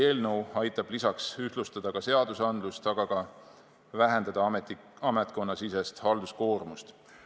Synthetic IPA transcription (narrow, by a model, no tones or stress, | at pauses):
e̞ːlnəwɑjt̪ːˑɑb̥lisɑksyh̪lust̪ɑd̪̥ɑkɑse̞ɑd̪̥usɑnd̪lust̪ɑɡ̥ɑɡɑ | væɦe̞nd̪ɑd̪̥ɑmet̪i | ɑmet̪̚ko̞nːɑsise̞st̪hɑld̪̥usko̞ːrmust̪